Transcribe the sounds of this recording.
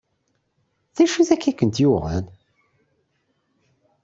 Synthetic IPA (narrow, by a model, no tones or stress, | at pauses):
θæʃuθækːækːənt̪juʁæ̰n